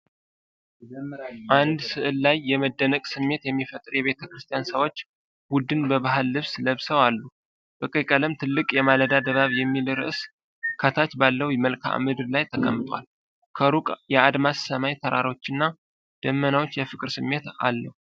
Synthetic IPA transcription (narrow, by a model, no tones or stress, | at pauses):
ʔand̪sɨʔɨlːajːɛməd̪ːənəkʼsɨmːe̞t̪jɛmːifət̪ʼɾjɛβe̞t̪ʰəkɾɨst̪ʰjansəwo̞t͡ʃː | wud̪ɨnbəβaɦalːɨβsləβsəwalːu | b̥əkʼəkʼələmt̪ʰɨlːɨkʼjɛmaləd̪ad̪əβaβjɛmːilɾɨ̰ʔɨs | kʰət̪ʰat̪balːəwjməlkʰa̰ʔmɨd̪ɨɾlajt̪ʰəkʼə̰mt̪ʼwa̰l | kʰəɾukʼjɛad̪masːəmajt̪ʰəɾʔa̰ɾo̞t͡ʃːɪnːa | d̪̥əmːənawo̞t͡ʃːjɛfɨkʼɨɾsɨmːe̞t̪a̰lːəhu